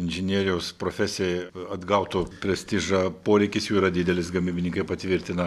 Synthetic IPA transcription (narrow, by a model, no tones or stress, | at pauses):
ɪnʲʒʲɪnʲiɛɾʲɪjɛʊspɾoːfʲæsʲɪjɛɐd̪ɡɐʊt̪ʊpʲɾʲɛsʲt̪ʲiːʒɐpoːɾʲɛɪkʲɪsjuːiːɾɐd̪ʲɪd̪ʲɛlʲɪsɡɐmʲiːbʲɪnʲiŋkɐɪpɐt̪ʲʋʲɪɾʲt̪ʲɪnɐ